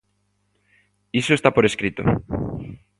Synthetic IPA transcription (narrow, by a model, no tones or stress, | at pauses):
isoest̪apoɾeskɾit̪o̰